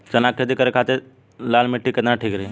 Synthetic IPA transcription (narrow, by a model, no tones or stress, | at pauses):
t͡ʃɐnakʰed̪ikəɾekʰaːt̪e | laːlmɪʈːiked̪aʈʰiːkɾe